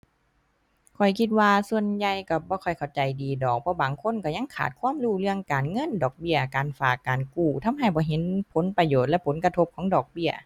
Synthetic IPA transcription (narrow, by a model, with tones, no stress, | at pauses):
kʰɔ˨˩jkʰi˧t̪̚waː˧su˧ənja˧jka˧˩bɔː˧˦kʰɔ˨˩jkʰa˨˩wt͡ɕa˨jdiː˨dɔː˨˩k̚pʰɔ˧˥baː˨˩ŋkʰo˧˥˨nka˧˩ɲa˧˥˨ŋkʰa̰ː˨˩t̪̚kʰwaː˧˥˨mluː˧˩lɯ˧˩əŋkaː˨˩nŋɤ˧˥˨ndɔː˨˩k̚bi˧˩ɐkaː˨nfaː˨˩kːaː˨˩nkuː˧˩t̪ʰa˧˥˨mɦa˧˩jbɔː˧˦ɦe˧˦npʰo˨˦npa˧joː˨˩t̪̚lɛ˧ʔpʰo˨˦nka˧t̪ʰo˧˥p̚kʰɔː˨˦ŋdɔː˨˩k̚bi˧˩ɐə